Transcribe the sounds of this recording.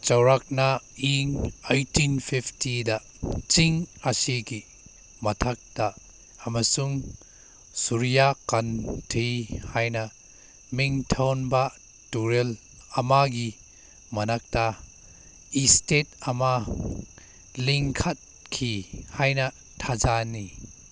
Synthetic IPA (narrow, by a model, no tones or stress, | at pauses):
t͡ʃɐwɾak̚naiŋajtinpʰiptidaʔt͡ʃiŋasiki | mɐt̪ʰɐk̚t̪a | ɐmɐsuŋ | suɾijakɐntʰejhajnɐ | miŋtʰɐwnba | tuɾel | ɐmaɡi | mɐnɐk̚ta | istet̚ɐma | liŋkʰɐt̚kʰihajnɐ | tʰazani